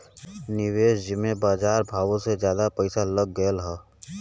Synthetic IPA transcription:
nɪweːʃd͡ʒɪmebaːd͡ʒaːɾbʱaːʋõsed͡ʒjaːd̪apəɪsaləɡːəəlɦɛ

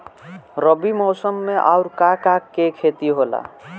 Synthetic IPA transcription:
ɾʌbimʌsʌmːeʔawɾkakakːekʰet̪iɦola̰

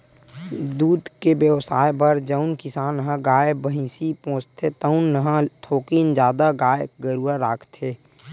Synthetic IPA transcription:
d̪uːd̪kebjəʋsaːebəɾd͡ʒəʊnkɪsaːnɦãɡaːebəɦĩsipõːt͡ʃt̪ʰet̪əʊnːəɦãt̪ʰoːkiːnd͡ʒjaːd̪aɡaːeɡəɾuaɾaːkʰt̪ʰeː

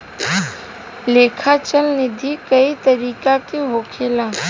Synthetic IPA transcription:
leːkʰat͡ʃəlnɪd̪ʱikəit̪əɾiːkakiɦoːkʰeːlãː

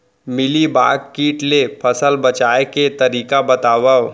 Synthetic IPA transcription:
mɪliba̰ːkkiːʈlepʰəsəlbɐt͡ʃaːeket̪ɐɾiːkabɐt̪aːʋə

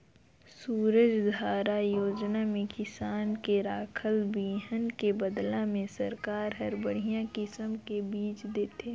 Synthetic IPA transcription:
suːɾəd͡ʒd̪ʱaːɾajoːd͡ʒnamẽkɪsaːnkeɾaːkʰəlbiːɦənkebəd̪lamẽsəɾkaːɾɦəɾbəɽ̤ijãkɪsəmkebiːt͡ʃd̪eːt̪eː

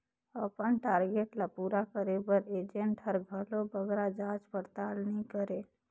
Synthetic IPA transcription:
əpənʈaːɾɡeʈlapuɾakəɾebəɾed͡ʒeɳʈɦəɾɡʱəlobəɡɾad͡ʒad͡ʒpəɾt̪alnĩkəɾe

